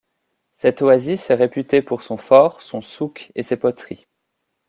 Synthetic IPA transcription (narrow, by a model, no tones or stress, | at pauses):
sɛt̪wazisɛʁepyt̪epuʁsɔ̃fɔːʁsɔ̃sukesepɔt̪χi